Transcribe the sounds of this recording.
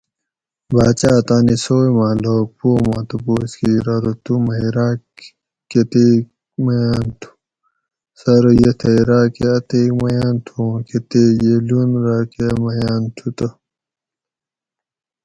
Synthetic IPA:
baːt͡ɕaːt̪aːnisoːjmãːloːk̚poːmãːt̪uboːskiːɾaɾut̪umɐiɾaː | ket̪e | mɐjaːnt̪ʰu̥ | sɐɾjet̪ʰɐiɾaːkeɐt̪eːkmɐjaːnt̪ʰũket̪eːjelunɾaːkemɐjaːnt̪ʰut̪ɐ

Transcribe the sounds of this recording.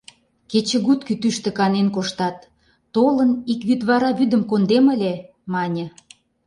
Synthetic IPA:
ket͡ɕə̆ɣut̪kyt̪yʃt̪ĕkɑnenkoʃt̪ɑt̪ː | olənikβyd̪βɑɾɑβyd̪ə̆mkond̪emə̆lʲe | mɑnʲə̆

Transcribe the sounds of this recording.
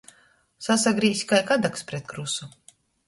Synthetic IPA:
sasaɡɾiːsʲi̥kajkad̪akspɾɛt̪̚kɾusu

